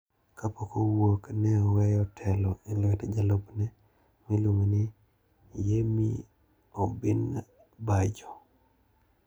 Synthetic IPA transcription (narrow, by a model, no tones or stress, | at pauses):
kapɔkowoknɛɔwɛjɔtʰɛlɔelwɛtd͡ʒalobnɛ | mɪlwoŋnɪ | jemḭ | ɔbɪn | bad͡ʒɔ